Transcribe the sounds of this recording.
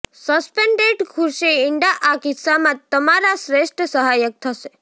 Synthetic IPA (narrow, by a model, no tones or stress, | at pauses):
səspeɳɖeɖkʰʊɾʃeɪɳɖaʔakɪt̪samãt̪əmaɾasɾeʃʈɾəsəɦajək̚t̪ʰəʃe